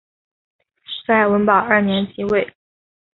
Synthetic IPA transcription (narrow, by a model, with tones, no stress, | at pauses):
t͡sa˥˩ɪwə˧˥npɑ˨˩ʊə˥˩njɛ˧˥nt͡ɕʰi˧˥we˥˩ɪ